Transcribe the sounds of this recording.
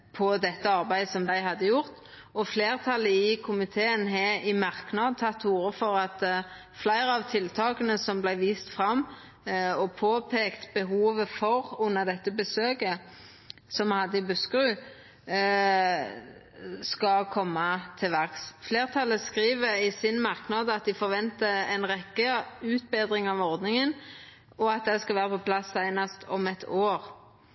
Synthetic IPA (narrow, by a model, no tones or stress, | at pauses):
pʰɔd̪ɛt̪ːəɑʁbæɪsɔmd̪æɪɦɑd̪ːəjʊʁt̪ | ɔfleːʁt̪ʰɑlːəɪkʰʊmɪt̪ʰeːənɦeɪmɑʁknɑːd̪̚t̪ʰɑt̪ːuːɾəfɔʁɑt̪ | flæɪɾəɑʋt̪ʰɪlt̪ʰɑːkənəsɔmblæɪʋiːst̪fʁɑmː | ɔpʰoːpʰeːkt̪bəɦuːʋəfɔʁʊnːəʁd̪ɛt̪ːəbəsøːkə | sɔmhɑd̪ːəɪbʉskʁʉː | skɑlkʰɔmːɑt̪ʰɪlʋæʁksfleːʁt̪ʰɑlːəskɾiːʋəɾɪsɪnmɑʁknɑːd̪əɑt̪̚d̪ɪfɔʁʋɛnt̪əɛnʁɛkːəʉːt̪beːd̪ʁɪŋɑʋɔʁd̪nɪŋən | ɔɑt̪̚d̪ɛskɑlʋæːʁəpɔpʰlɑsːæɪnɑst̪ʰɔmɛt̪ʰoːʁ